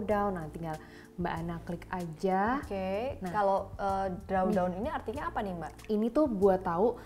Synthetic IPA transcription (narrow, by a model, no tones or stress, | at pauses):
daunːaht̪iŋɡal | mbaʔanaklɪkad͡ʒakenakaloədɾaundauniniart̪iɲaːpanima | init̪ʊhbuat̪ːau